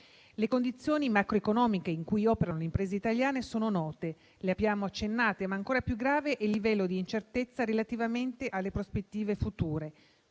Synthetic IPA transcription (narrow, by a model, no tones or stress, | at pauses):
lekond̪it̪sːjoːnimakɾoekonɔːmikeiŋkujɔːpeɾanoleimpɾeːzeit̪aljaːnesoːnonɔːt̪e | leabjaːmoat͡ʃːenːaːt̪emaːŋkoːɾapjuɡɾaːveʔɛlːivɛlːod̪iːnt͡ʃert̪et̪sːaɾelat̪ivament̪eʔalːepɾospet̪ːiːvefut̪uːɾe